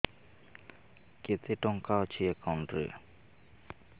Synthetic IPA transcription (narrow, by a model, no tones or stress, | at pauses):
ket̪eʈɔŋkat͡ɕʰiekawɳʈɾḭ